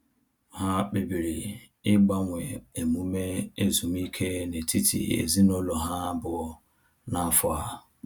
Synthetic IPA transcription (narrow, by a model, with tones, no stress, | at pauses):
ɦa˦k͡pe˨bi˨ɾi˨ | ɪ˦ɡ͡ba˦ŋʷe˨e˨mu˦me˦e˦zu˨m˦i˦kʰe˦ne˨ti˦tʰḭ˨ḛ˨zi˦no˦lo˨ɦa˦bʊ˦ | na˦fʊ˨a˨